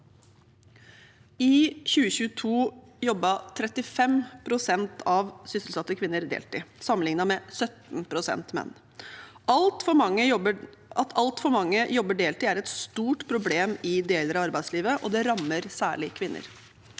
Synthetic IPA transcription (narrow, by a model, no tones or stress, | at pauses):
ɪçʉːəçʉːət̪ʰuː | jɔbːət̪ʰɾɛt̪ːɪfɛmpʰɾʊsɛnt̪ʰɑʋsʏsəl̩sɑt̪ːəkʰʋɪnːəɾd̪ḛːlt̪ɪsɑmːənɪŋnɑmɛsœt̪npʰɾʊsɛ̰nt̪mɛ̰nː | ɑlt̪fɔmɑŋːəə | ʔɑt̪ʰɑlt̪fɔɾmɑŋːəjɔbːəɖeːlt̪ɪæɾɛt̪st̪uːʈpʰɾʊbleːmɪd̪eːləɾɑɑɾbæɪd̪sliːʋəʔɔd̪ɛɾɑmːəɾsæːɭɪkʰʋɪnːʔə̰ɾ